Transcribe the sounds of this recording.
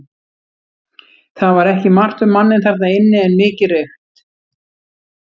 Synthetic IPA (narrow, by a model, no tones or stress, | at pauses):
θaðvaɾɛhcɪmar̥t̪ʏmːanːɪnθɛɾt̪naɪnːɪɛnmɪːcɪreɥxt̪